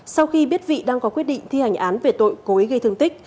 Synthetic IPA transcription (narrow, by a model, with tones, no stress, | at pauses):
sa˧wxi˧ɓi˦˥ət̚vḭ˧˨ɗaː˧ŋkɔ˨˦kwət̚ɗḭ˧˨ŋ̟t̪ʰi˧ha˨˩jŋ̟ʔaː˨˦nve˨˩t̪o̰˧˨jko˨˦jɣə˧jt̪ʰŋt̪ï˦˥k̟̚